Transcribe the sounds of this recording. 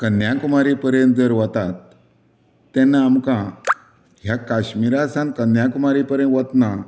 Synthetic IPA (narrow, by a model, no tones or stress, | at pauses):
kənjãkumaɾipəɾjə̃nt̪̚d͡zəɾʋət̪at̪ː | ɛnːaːmkã | ɦjakaɕmiɾasãn̚kənjãkumaɾipəɾjə̃nʋət̪na